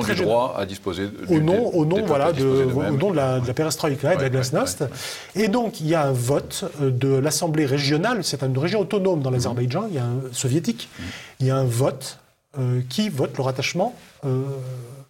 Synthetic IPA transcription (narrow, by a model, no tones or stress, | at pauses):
χɛʒaa̰d̪ispozeonɔ̃onɔ̃vwaladd̪əvwonɔ̃d̪əlad̪əlapeʁɛst̪χɔikad̪əlaɡlasnɔst̪ | ed̪ɔ̃kiljaɛ̃vɔt̪d̪əlasɑ̃bleʁeʒjɔnalsɛt̪ynʁeʒjɔ̃ɔt̪ɔnomd̪ɑ̃lazɛʁbajʒɑ̃iljaɛ̃sɔvjet̪ikiljaɛ̃vɔt̪ | økʲivɔt̪ləʁat̪aʃmɑ̃ø